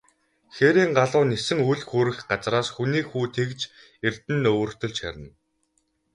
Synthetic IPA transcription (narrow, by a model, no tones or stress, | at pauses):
xeɾiːŋɢaɮʊːnesɘ̆ŋuɮxuːɾɘ̆xɢat͡sraːsxuniːxuːt̪ʰekt͡ɕ | ert̪ɘ̆nɵr̥t̪ɵ̆ɮt͡ɕxæ̰ɾʲə̆n